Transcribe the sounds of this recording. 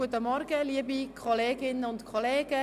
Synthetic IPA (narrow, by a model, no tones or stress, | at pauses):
uətəmɔɾɡəliəbikʰɔleːɡɪnəʊntkʰoleːɡ̥ə